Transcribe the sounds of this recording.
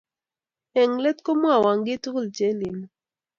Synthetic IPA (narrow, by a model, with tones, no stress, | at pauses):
ɛ˨ŋlɛ˦t̚ko˦mwa˦˨wa˨ŋɡɪ˦tu˦klt͡ʃe˨˦li˨n˨